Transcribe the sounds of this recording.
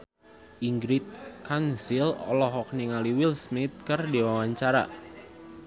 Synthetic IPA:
ʔiŋɡɾit̪̚kʰansilɔ̰lɔɦɔk̚niŋaliwilsmit̪̚kərdiwawaɲt͡ʃaɾa̰

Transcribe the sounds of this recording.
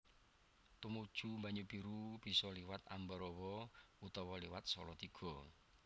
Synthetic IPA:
t̪umud̥ʒ̥umbaɲupiɾub̥i̤sɔliwat̪a̰mbɔɾɔwɔut̪ɔwɔliwat̪̚sɔlɔt̪iɡ̥ɔ̤

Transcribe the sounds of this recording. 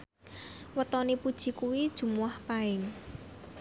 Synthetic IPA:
wət̪ɔnipud̥ʒ̥i̤kuwid̥ʒ̥ṳmuwahpaɪŋ

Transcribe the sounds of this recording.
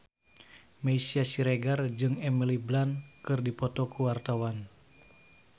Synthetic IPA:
maisiasiɾeɡard͡ʒɨŋɛmiliblankɨrdipɔt̪ɔkuwart̪awan

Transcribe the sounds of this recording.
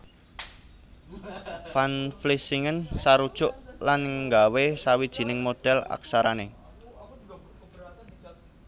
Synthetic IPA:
fanflisiŋənsaɾud̥ʒ̥ʊʔlanŋɡawesawid̥ʒ̥i̤nɪŋmod̪̥ɛla̰ksaɾane

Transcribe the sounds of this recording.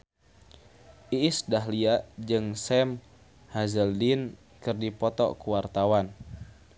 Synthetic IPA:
ʔiːsdaɦliaʔd͡ʒɨŋsɛm | hazəldin | kɨrdipɔt̪ɔ̰kuwart̪awan

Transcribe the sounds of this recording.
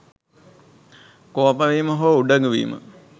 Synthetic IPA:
koːpaʋiːməɦoʋuɖəŋɡəʋḭːmə̰

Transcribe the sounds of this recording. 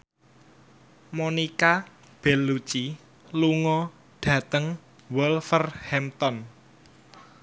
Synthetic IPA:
monika | b̥ɛ̤lːut͡ʃi | luŋɔ | ɖ̥ä̤t̪əŋ | wɔlfərhɛmt̪ɔn

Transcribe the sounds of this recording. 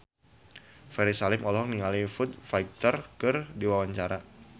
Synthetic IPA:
fɛɾisalɪmɔlɦɔŋniŋalifʊt̪̚fajk̚t̪ɔrkɨrdiwawaɲt͡ʃaɾa

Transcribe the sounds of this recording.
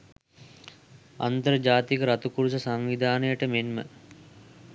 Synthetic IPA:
a̰nt̪əɾd͡ʒaːt̪ikəɾat̪ukuɾusəsaŋʋid̪ʱaːnəjəʈəmenmə̰

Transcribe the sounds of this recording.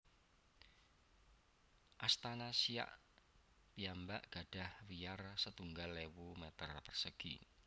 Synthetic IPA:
ʔast̪anasia̰ʔ | piambaʔɡ̥a̤ɖ̥a̤hwijarsət̪uŋɡalːewumet̪ərpərsəɡ̥ḭ

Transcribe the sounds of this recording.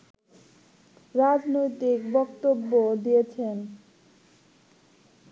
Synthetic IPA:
ɾad͡ʑnojt̪ikbɔkt̪obːod̪ijet͡ɕʰen

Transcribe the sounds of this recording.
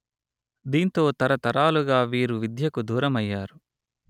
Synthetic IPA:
d̪iːnt̪o̞ːt̪ɐɾɐt̪ɐɾaːluɡaːʋiːɾuʋid̪ʱjɐkud̪uːɾɐmɐjːaːɾu

